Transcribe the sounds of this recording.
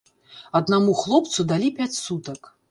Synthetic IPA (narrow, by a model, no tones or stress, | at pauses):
ɐd̪namuxlˠɔpt̪sud̪alʲipʲat͡sʲsut̪ɐk